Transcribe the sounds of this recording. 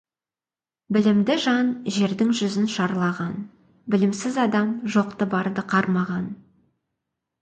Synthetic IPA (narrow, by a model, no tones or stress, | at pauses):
bɪlɪmd̪ɪʒɑnʒe̞ɾd̪ɪŋʒʏzɪnʃɑɾlˠɑʁɑn | bɪlɪmsɪzɑd̪ɑmʒo̞qt̪əbɑɾd̪əqʰɑɾmɑʁɑn